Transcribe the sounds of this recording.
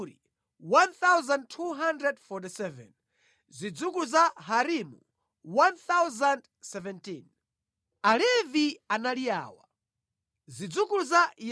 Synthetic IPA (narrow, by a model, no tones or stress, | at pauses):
ɾi | wanθawzantʰuɦandɾɛdfɔtisɛvɛ̰n | zid͡zukuuzaɦaɾimṵ | wanθawzand | sɛvɛntin | alɛvianalia̰ːwa̰ | zid͡zukuuzaj